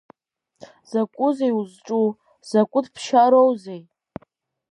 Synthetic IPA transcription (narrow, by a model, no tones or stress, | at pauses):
z̥akʷʼʊzejuzʈ͡ʂʼu | z̥akʷʼʊdʰpʰʃaɾowzej